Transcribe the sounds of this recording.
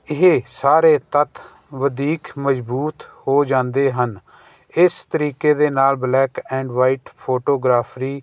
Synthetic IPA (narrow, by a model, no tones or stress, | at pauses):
ɪɦeːsaːɾeːt̪ət̪ʰ | ʋəd̪iːkməd͡ʒbuːt̪hoːd͡ʒãːnd̪eːɦən | ɪst̪əɾiːkeːd̪eːnaːlblɛːkɛ̃ːɳɖʋaːiːʈpʰoːʈoːɡɾaːpʰɾiː